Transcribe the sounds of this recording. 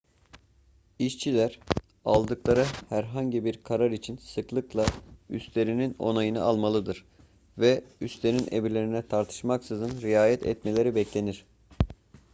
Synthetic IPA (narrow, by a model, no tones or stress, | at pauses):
iʃt͡ʃʰilʲæɾ | alˠd̪ɯklˠaɾahæɾɦaɲɟibiɾkʰaɾaɾit͡ʃʰinsɯklˠɯklˠayst̪le̞ɾinino̞̰najɯna̰alˠmalˠɯd̪ɯɾ̥ | vɛyst̪e̞ninʔḛbiɾlʲe̞ɾinɛt̪ʰaɾt̪ʰɯ̥ʃmaksɯzɯnɾijaːjɛt̪ʰɛ̰t̪me̞lʲe̞ɾibɛclʲe̞niɾ̥